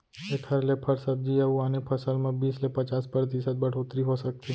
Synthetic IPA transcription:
ek̪ʰɐɾlepʰəɾsəb̚d͡ʒiɐuaːnepʰɐsəlmẽbiːslepɐt͡ʃaːspəɾt̪̬isət̪̚bɐɽ̤ʰot̪ɾiɦosɐk̚t̪i

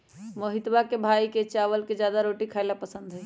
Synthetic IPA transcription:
moɦɪt̪bakebʱaːiket͡ʃaːʋəlked͡ʒjaːd̪aɾoːʈikʰaːlapəsə̃nd̪ɦɛː

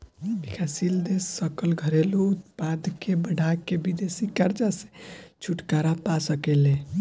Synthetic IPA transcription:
bikʰasild̪esːəkəlɡʱəɾelout̪pad̪ʱkebəɽ̤akebid̪esikaɾt͡ʃasẽt͡ʃʰuʈkaɾapasəkelẽ

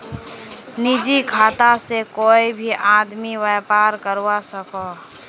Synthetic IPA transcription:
nid͡ʒikʰaːt̪asekoːibʱiʔad̪miwɛpaːɾkəɾwasəkɔ

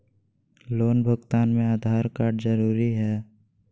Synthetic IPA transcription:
loːnbʱəɡt̪aːnmẽaːd̪ʱaːɾkaːɾɖzəɾuːɾiɦɛː

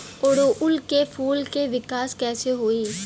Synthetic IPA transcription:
oɾoʔʊlkefʰuːlkeʋɪkaːskɛːseɦoːiː

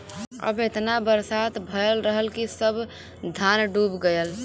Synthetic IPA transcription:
ə̰bet̪nabəɾsat̪bʱəjəlɾəɦəlkisəb | d̪ʱanɖubɡəjəl

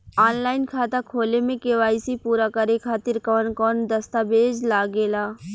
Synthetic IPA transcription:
aːnlaːɪnkʰaːt̪akʰoːlemẽkeʋaːisipuːɾakəɾekʰaːt̪ɪɾkɔːnkɔːnd̪ɐst̪abeːd͡ʒlaːɡeːlaː

